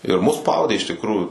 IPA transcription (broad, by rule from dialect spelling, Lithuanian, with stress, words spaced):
ɪr mʊs ˈspɐʊdʲeː ɪʃ tʲɪkˈruːjuː